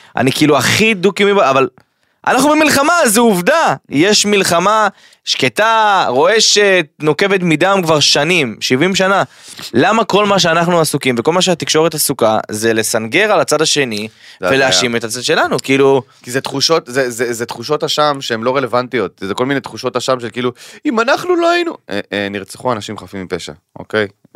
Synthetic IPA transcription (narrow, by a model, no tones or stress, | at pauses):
ʔa̰nikiiluaχid̪ukimibaaval | ʔa̰naχnubemilχamazeuvd̪aje̞ʃmilχama | ʃke̞t̪aʁo̞e̞ʃet̪̚no̞ke̞ve̞t̪̬midamkvaʁʃanimʃivimʃ̬analamako̞lmaʃ̬eanaχnuasukimveko̞lmaʃ̬eat̪ikʃo̞ʁet̪asuka̰ze̞le̞sanɡe̞ʁalat͡sadaʃe̞niveleaʃimet̪at͡sad̪ʃe̞lanukiiːlukizet̪χuʃo̞t̪zezezet̪χuʃo̞taʃamʃeemlo̞ʁelevant̪ijo̞t̪̚zeko̞lminet̪χuʃo̞taʃamʃe̞lkiːluimanaχnulohainueeniʁt͡seχuanaʃimχafimːipeʃa̰ | o̰kej